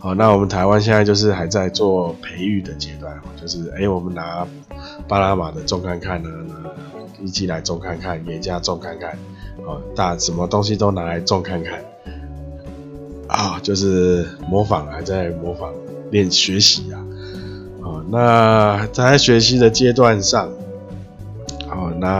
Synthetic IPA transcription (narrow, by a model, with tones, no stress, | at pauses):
hɔ˨˩na˥˩wɔ˨˩mə˨nt̪ʰa˧˦ɪwa˦nɕ̬jnt͡sa˥˧ɪt͡ɕjʂ̬ɻ̩˥˧xa˧˥ɪt͡sa˥˧ɪt͡swɔ˥˨˩pʰe˧˦ɪy˥˩d̪ə˨t͡ɕje˦t̪wa˥˩nxɔ˨˩t͡ɕjo˥˧ʊʂɻ̩˥˩e˧˦˥ɪwɔ˨˩mə˨˦nna˧˨˦ | pa˥na˦ma˨˩d̪ə˨t͡sɔ˥˧ŋkʰa˥˧nkʰa˥˩na˨na˧˥ | i˥˩t͡ɕi˥la˧˦ɪt͡sɔ˥˧ŋkʰa˥˨nkʰa˥˩nke˨t͡ɕja˥˧t͡sɔ˥˧ŋkʰa˥˧nkʰa˥˩n | hɔ˥˨˩t̪a˥˧˩ʂə˨˦nmə˨t̪o˦ŋɕ̬i˦t̪o˥ʊna˧˥˦la˨˧˦ɪt͡sɔ˥˧ŋkʰa˥˧nkʰa˥˩n | ʔɔ˨˩t͡ɕjo˥˧ʊʂ̬ɻ̩˥˩mɔ˧˥˦fa˨˩˦ŋa˨˦ɪt͡sa˥˩ɪmɔ˧˥fa˨˩ŋ | ljɛ˥˨nɕɥɛ˧˦ɕi˨˦a˨ | hɔ˥˨˩na˥˧t͡sa˥˩ɪɕɥɛ˧˥ɕ̬i˨˥d̪ə˨t͡ɕjɛ˦˥t̪̬wa˥˧nʂɑ˥˩ŋ | hɔ˥˩na˥˨